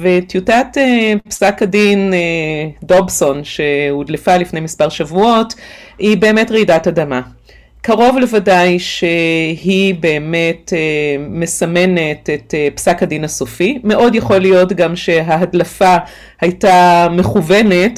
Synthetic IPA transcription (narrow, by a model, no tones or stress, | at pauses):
vetjutatepsakadinedobso̞nʃe̞udlefalifne̞jmispaʁʃavuo̞t | hibe̞eme̞tʁeidatadama | kaʁo̞vle̞vadajʃehibe̞ːme̞teme̞same̞netetepsakhadinhasofime̞ʔo̞djaχo̞lijo̞tɡamʃe̞ɦaɦadlafa | hajtame̞χuve̞ne̞t